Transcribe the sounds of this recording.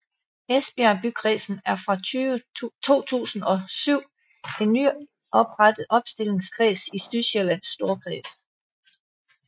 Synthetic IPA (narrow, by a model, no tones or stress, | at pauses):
esb̥iæb̥ykʰʁḭːsn̩æɐfʁɑ̈ | t͡sʰo̝̰ːt͡sʰṵːsn̩ɒ̽syʊ̰ | e̝nny | ʔɒ̽b̥ʁad̥əð̩ˠɒ̽b̥sd̥e̝le̝ŋskʰʁḭːsisd̥yɕelæn̰sːd̥o̝ɐkʰʁḭːs